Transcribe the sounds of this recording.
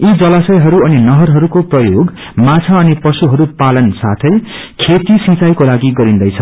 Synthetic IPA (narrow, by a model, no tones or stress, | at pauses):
id͡zʌlasʌjɦʌɾuʌninʌɦʌɾɦʌɾukoprʌjoɡ | mat͡sʰaʌnipʌsuɦʌɾupalʌnsat̪ʰʌj | kʰet̪isĩt͡sajkolaɡiɡʌɾind̪ʌjt͡sʰʌ